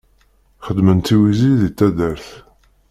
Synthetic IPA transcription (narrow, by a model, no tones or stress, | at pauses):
χəd̪mənt̪ːiwiziðit͡s̪ːæðəɾθ